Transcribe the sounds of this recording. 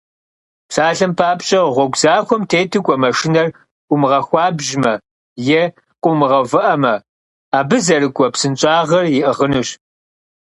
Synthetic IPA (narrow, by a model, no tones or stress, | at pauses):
psaːɬɐmpʰaːpɕʼɐʁʷɔɡʷzaːxʷɔmtʰeːtʰɨɡʷɔmɐʂɪnɐr | ʔʷʊmɨʁɐxʷɑːbʒmɐ | jɛ | qʷʼʊmɨʁɐvɨʔɐmɐ | aːbɨzɐrɨɡʷʼɔpsɨnt͡ʃʼaːʁɐrjɪʔəʁənɨɕ